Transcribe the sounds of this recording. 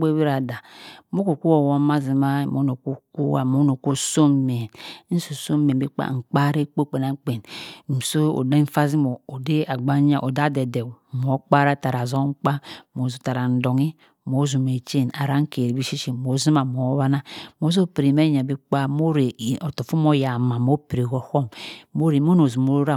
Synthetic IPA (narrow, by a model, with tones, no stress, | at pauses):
e˦wi˦ɾa˨da˨mo˦ko˨ku˦wo˨wo˦ma˦zi˨ma˦˨mo˨˦no˨ko˦ku˦wa̰˨mo˨˦no˨ko˦so˦m˦me˨n˦n̩˦so˨so˦m˦e˨bi˦k͡pa̰˦˨ŋ̩˨k͡pa˦ɾe˦k͡po˦k͡pe˨na˨˦k͡pe˨n˨m̩˨so˦o̰˨de˦n̩˦fa˦zi˦mo˨o˨de˦a˨ɡ͡ba˦ɲa˦ʔo˨da˦de˨de˨wm˨o˨˦k͡pa˦ɾa˦ta˨ɾa˨zo˦ŋ͡m̩˦k͡pa˦mo˨zu˨ta˨ɾa˨n̩˨do˨ŋi˦ | mo˨˦zu˨me˨t͡ʃe˦˨na˨ɾa˦ŋ̩˦ke˨ɾi˨bi˦ʃi˦ʃi˨mo˨˦zi˦ma˨m˨o˨˦βa˦na˦m˨o˨˦zo˦pi˨ɾi˨me˦ɲa˨bi˦k͡pa˦mo˦ɾe˨o˨to˨fu˦mo˦ja˨ma˨mo˦pi˨ɾe˨ɡo˦ho˦˨mmo˦ɾe˨mo˦no˨zu˨mo˨˦ɾa˦˨